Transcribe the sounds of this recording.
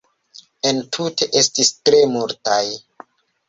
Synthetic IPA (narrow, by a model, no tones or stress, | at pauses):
entʰutʰe̞ʔe̞stistɾe̞multaj